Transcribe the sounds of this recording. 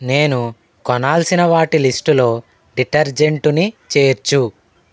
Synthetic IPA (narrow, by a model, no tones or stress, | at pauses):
ne̞ːnu | kɔnaːlsinɐʋaːʈilisʈulo̞ː | ɖiʈɐɾd͡ʒe̞ɳʈunit͡ʃe̞ːɾt͡ʃu